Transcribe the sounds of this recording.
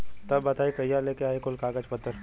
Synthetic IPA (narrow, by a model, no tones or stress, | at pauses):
t̪ɐbːɐt̪aːikɐjːaleːkeaːikʊlkaːɡəd͡ʒpɐt̪ːəɾ